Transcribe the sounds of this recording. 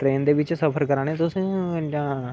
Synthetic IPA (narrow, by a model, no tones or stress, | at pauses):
t̪ɾeːnd̪eʋɪt͡ʃsəpʰəɾkəɾaːɽ̃ẽt̪ʊsd͡ʒãː